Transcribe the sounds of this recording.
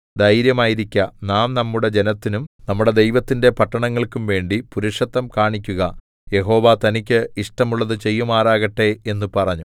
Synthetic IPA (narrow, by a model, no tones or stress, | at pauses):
d̪ɐjɾjɐmaːjiɾikʲːɐnaːmnɐmːuɽed͡ʑe̞nɐt̪ːinumnɐmːuɽe̞d̪e̞jʋɐt̪ːinde̞pɐʈːɐɳɐŋːɐɭkumʋe̞ːɳɖipuɾuʂɐt̪ːɐmkaːɳik̬ʲːuɣɐ | je̞ɦo̞ːʋɐt̪ɐnikʲːɨiʂʈɐmuɭːɐðɨt͡ɕe̞jːumaːraːɣɐʈːe̞enːupɐrɐɲːu